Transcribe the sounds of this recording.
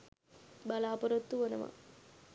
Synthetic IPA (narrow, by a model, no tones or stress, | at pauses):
balaːpoɾot̪ːuʋonəʋa̰